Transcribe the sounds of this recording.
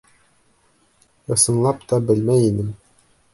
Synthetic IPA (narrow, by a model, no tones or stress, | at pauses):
ɤ̆sɤ̆nlˠɑpt̪ɒbɘlmæjinɘm